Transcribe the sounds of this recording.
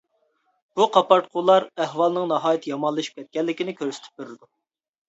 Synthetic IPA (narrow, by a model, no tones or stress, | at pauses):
b̥uqʰɑpɑɾt̪̚qʰulˠɑɾɛhwɑlˠnɨŋnɑɦɑːjit̪ʰjɑmɑlˠːɨʃi̥p̚kʲʰɛt̪̚kʲɛlːɪkʲinɪkʲʰøɾsɪ̥t̪ʰy̥p̚bøɾɪd̪u